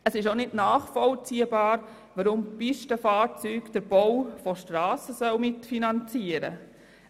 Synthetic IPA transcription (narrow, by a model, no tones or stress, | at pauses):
əsɪʃonɪdnɑːχfɔlt͡siːəbɑːɾ | ʋaɾʊmpɪʃtəfɑːɾt͡syːkd̥əɾb̥ɔwfɔʃtɾɑːsəsœwmɪtfinɑnt͡siəɾə̰